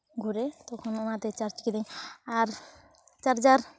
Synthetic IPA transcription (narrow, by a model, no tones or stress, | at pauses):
ɡʱuɾet̪ɔkʰononat̪et͡ʃaɾt͡ʃkid̪ej̃aɾ | t͡ʃaɾd͡ʒaɾ